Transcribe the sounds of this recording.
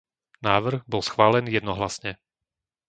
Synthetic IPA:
naːʋr̩ɣbɔlsxʋaːlɛnjɛd̪nɔɦlasɲɛ

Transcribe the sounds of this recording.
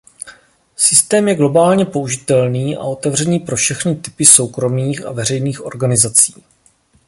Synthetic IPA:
sɪst̪ɛːmjɛɡlo̞baːlɲɛpo̞uʒɪt̪ɛlniːʔa̰o̞t̪ɛvr̝ɛniːpɾo̞fʃɛxnɪt̪ɪ̥pɪso̞wkɾo̞miːxa̰vɛrɛjniːxʔo̞̰ɾɡanɪzat͡siː

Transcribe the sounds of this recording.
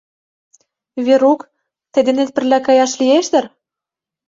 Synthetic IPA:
βeɾuk | t̪ĕd̪ĕnet̪̚pɘ̆rlækɑjɑʃlieʃt̪ɘ̆r

